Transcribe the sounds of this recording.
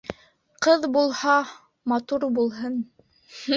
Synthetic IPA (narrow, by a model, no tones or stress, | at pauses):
qɤðbulˠhɑ | mɑt̪uɾbulˠɦɤn